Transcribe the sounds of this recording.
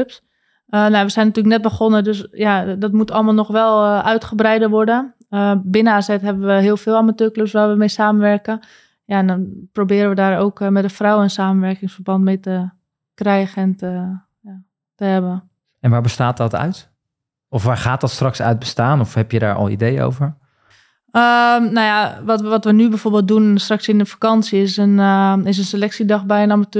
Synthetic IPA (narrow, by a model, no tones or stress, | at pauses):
ps | ənaʋəsɛjnatyələk̚nɛt̚bəχonədøsjadɔtmutɑlˠmaːlˠnɔχʋɛlˠʔœɥtχəbrɛjdəʋɔɹdə | əbɪnəaːzɛtɦɛbənʋəɦiəlˠfɪːlˠamatøːkløpsʋaːɹʋəmejsaːməʋɛrkə | jaɛnprobɪːɾəʋədaːrowkmɛtdəfrawɛnsaːmənʋɛrkɪŋsfərbɑntmejtə | krɛjɣəɛntə | ja | təɦɛbə | ɛnʋaːɹbəstaːt̚dɔtœ̰ɥt | ɔfʋaːɹχaːt̚dɔtstrɑksœ̰ɥt̚bəstaːnɔfhɛpjəda̰ːɹɔ̰lˠḭdejo̰wvəɹ | ənajaʋɔtʋɔtʋənybɛjfoːɹbɪːlˠt̚dunstrɑksɪnəfḁkɑnsiɪsənɪs̬ənselɛksidɑxbɛjənamatø